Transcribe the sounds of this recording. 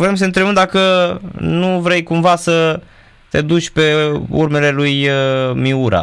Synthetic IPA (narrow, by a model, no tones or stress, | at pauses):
vɾe̞ms̬əɨnt̪ɾemɨnd̪akənuvɾe̞jkumvasə | t̪e̞d̪ut͡ʃʲpe̞ṵrme̞le̞lujmiuɾa̰